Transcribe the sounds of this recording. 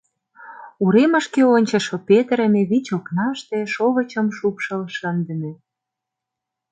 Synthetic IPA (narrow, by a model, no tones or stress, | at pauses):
uɾemə̆ʃkeonʲt͡ɕə̆ʃopet̪əɾə̆meβit͡ɕoknɑʃt̪ĕʃoβə̆t͡ɕə̆mʃupʃəlʃə̆nd̪ə̆mĕ